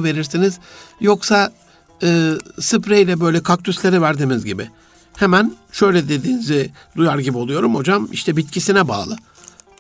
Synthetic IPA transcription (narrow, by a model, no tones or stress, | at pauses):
ve̞ɾiɾsiniz̥jo̞ksa | ɯːsɯpɾejlʲɛbø̞jlʲɛkʰak̚t̪ʰyslʲe̞ɾivæɾd̪imizɟibɪ | hemænʃø̞jlʲɛd̪ed̪iːnizɪ | d̪ujaɾɟibio̞lˠujo̞ɾumo̞d͡ʒamḭʃt̪ʰɛbit̪cʰisinɛba̰ːlˠɯ